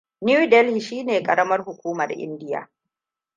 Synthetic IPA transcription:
nju˦dɛ˦lhi˨ʃiː˦neː˨kʼɐ˨ɾɐ˦mɐ˦rɦʊ˨kʷuː˦mɐ˨rʔɪ̰˦ndɪ˦ja̰ː˨

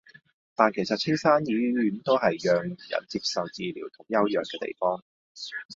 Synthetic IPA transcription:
t̪aː˨˩nkʰe˨˩jsɐ˨t̚t͡sʰɪ˥ŋsaː˥njiː˨˥jyː˨˥nt̪oː˥ɦɐ˨jjœː˨ŋjɐ̰˨˩nt͡siː˧p̚sɐ˨wt͡siː˨lḭː˨˩wt̪ʰʊ˨˩ŋjɐ˥wjœː˨ŋkɛː˧t̪ḛ˨˩jfɔː˥ŋ

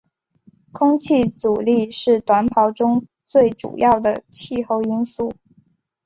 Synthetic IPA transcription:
kʰʊ˥ŋt͡ɕʰi˥˩t͡su˨˩li˥˧ʂɻ̩˥˩t̪wa˧˥npʰɑ˧˥ʊʈ͡ʂʊ˥ŋ | t͡swe˥˩ɪʈ͡ʂṵ˨˩jɑ˥˩ʊd̪ə˩t͡ɕʰi˥˧xo˥˧ʊi˥nsu˥˩

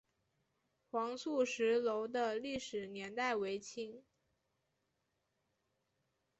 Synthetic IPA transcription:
xwɑ˧˥ŋsu˥˩ʂɻ̩˧˥lo˧˥ʊd̪ə˧li˥˩ʂɻ̩˨˩njɛ˧˥nt̪a˥˩ɪwe˧˥ɪt͡ɕʰi˧˥ŋ

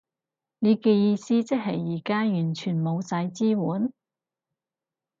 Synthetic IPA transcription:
ne˨˧keː˧jiː˧siː˥t͡sɪ˥k̚ɦɐ˨jːiː˨˩kaː˥jyː˨˩nt͡ʃʰyː˨˩nmo˨˧wsɐ˨˥jt͡siː˥wuː˨˥n

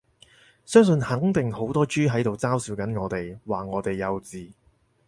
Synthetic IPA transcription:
sœː˥ŋs̬ɵ˧˨˧nhɐ˨˥ŋt̪ɪ˨ŋho˨˥wt̪ɔː˥t͡ʃyː˥ɦɐ˨˥jt̪o˨wt͡saː˥wsiː˨˥wkɐ˨˥nŋɔː˨˧t̪e˨jwaː˨ŋɔː˨˧t̪e˨jːɐ˨˧wt͡siː˨

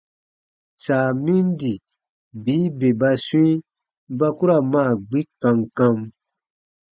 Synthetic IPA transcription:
saː˨mĩ˦n˦di˨ | biː˨˦be˨ba˧si˦ | ba˦ku˦ɾa˨mãː˦˨ɡ͡bi˦kã˧ŋkã˧m

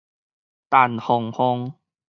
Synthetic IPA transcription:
t̪a˨˩nhʊ˨˩ŋhʊ˧ŋ

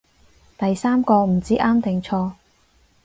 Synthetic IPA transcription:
t̪ɐ˨jsaː˥mkɔː˧m̩˨˩t͡siː˨˥ʔaː˥mt̪ɪ˨˩ŋt͡sʰɔː˧

